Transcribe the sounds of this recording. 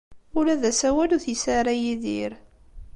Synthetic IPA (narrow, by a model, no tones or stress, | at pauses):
ʊɾæðæsæwæluɾθisaɾˤajiðḭɾ